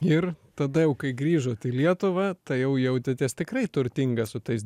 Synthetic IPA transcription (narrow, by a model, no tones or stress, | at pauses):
ɪrt̪ɐd̪ɐjɛʊkɐɪɡɾʲiːʒoːt̪ɪlʲiɛt̪ʊʋɑt̪ɐɪjɛʊjɛʊt̪ʲɪt̪ʲɛst̪ʲɪkrɐɪt̪ʊɾʲt̪ʲɪŋɡɐssʊt̪ɐɪs